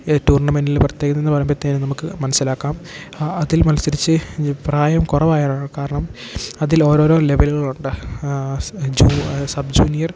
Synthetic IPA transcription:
tuːrɳɐmenilprɐt̪jeːkɐnːenːɨpɐrɐjumpɐt̪ːeːnɨnɐmukːɨmɐnɐsːilaːkːaːm | ɐðilmɐlsɐɾit͡ɕːɨpraːjɐmkurɐʋaːjaːɳaːkaːɾɐɳɐm | ɐðilo̞ːɾo̞ːɾo̞ːle̞ʋelɣɐɭuɳɖɨ | d͡ʑuːsɐbd͡ʑuːnijɐr

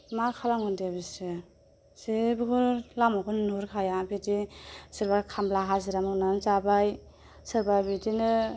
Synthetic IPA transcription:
makʰalaŋundebisɯ | sibɯkʰulamɔkʰɔnnuɾkʰajabidisiɾbakʰamblaɦaziɾamɯnanzabaj | sɯɾbabidinɯ

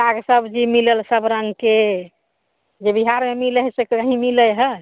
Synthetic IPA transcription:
aɡsəbd͡ʒimiləlsəbɾəŋke | d͡ʒebiɦaɾmemiləɦsekəɦĩmiləɦə

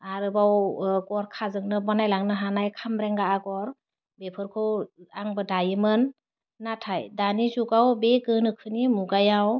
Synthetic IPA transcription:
aɾɯbawɡɔɾkʰazɯŋnɯbɔnajlaŋnɯɦanajkʰamɾɛŋɡaaɡɔɾ | bepʰɯɾkʰɯwaŋbɯdajɯmɯnː | atʰajdanizuɡawbeɡɯnɯkʰɯnimuɡajaw

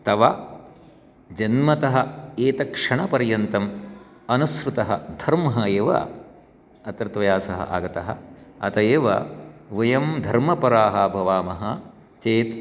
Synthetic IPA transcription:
t̪ɐʋɐ | d͡ʒɐnmɐt̪ɐɦɐeːt̪ɐkʂɐɳɐpɐɾjɐnt̪ɐm | ɐnusɾut̪ɐɦɐ̰d̪ʱɐɾmɐɦɐeːʋɐ̰ | ɐt̪ɾɐt̪ʋɐjaːsɐɦɐ̰ʔa̰ːɡɐt̪ɐɦɐ̰ɐt̪ɐjeːʋɐ̰ʋɐjɐmd̪ʱɐɾmɐpɐɾaːɦɐbʱɐʋaːmɐɦɐ | t͡ʃeːt̪

